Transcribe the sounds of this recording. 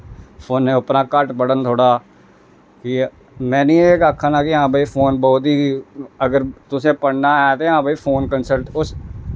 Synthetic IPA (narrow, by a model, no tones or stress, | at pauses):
pʰoːnːẽːʊpnãːkəʈbəɽənt̪ʰoːɽaː | kɪ | mɛ̃ːnĩːekaːkʰːãːnãːkɪɦãːbʱiːpʰoːnbɔːt̪ɦiːəɡəɾt̪ʊsẽːpəɽnaːɛːt̪eːɦãːbiːpʰoːnkənsəlʈʊs